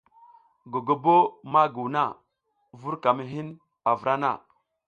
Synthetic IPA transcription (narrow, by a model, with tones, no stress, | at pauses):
ɡo˨ɡo˨bo˦ma˦ɡu˨wna̰˦˨ | vu˦ɾka˨mi˦ɦi˦n | a˨və˨ɾa˦na̰˦˨